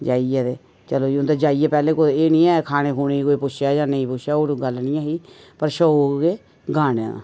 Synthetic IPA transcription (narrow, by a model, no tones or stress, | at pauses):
d͡ʒaːiːɛːd̪eː | t͡ʃəloːiʊnd̪eːd͡ʒaːiːɛːpɛːlẽːkoeːnĩːɛːkʰaːneːkʰuːneːiːkoːiːpʊʃaːjãːnəĩːpʊʃʰaːoɾɡəlnĩːaːɦiː | pəɾʃəoːkɡeː | ɡaːnã̰